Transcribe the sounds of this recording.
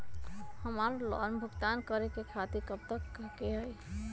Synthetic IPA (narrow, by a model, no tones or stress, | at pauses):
həmaɾlɔ̰nbʱuɡt̪ankəɾekekʰat̪iɾkəp̚t̪əkːkeɦəj